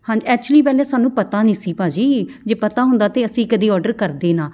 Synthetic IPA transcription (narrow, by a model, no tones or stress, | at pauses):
hãːɲd͡ʒɛːk̚t͡ʃʊliːpɛːlɛːsaːnːũːpət̪aːnĩːsiːpaːd͡ʒiːd͡ʒeːpət̪aːɦʊ̃nd̪aːt̪eːəsĩːkəd̪iːɔːɾɖəɾkəɾd̪eːnãː